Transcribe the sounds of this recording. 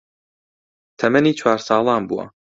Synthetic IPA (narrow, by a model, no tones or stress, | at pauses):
t̪ʰɐmɐniːt͡ʃʰwaːɾsɑːlˠɑːnbuwa̰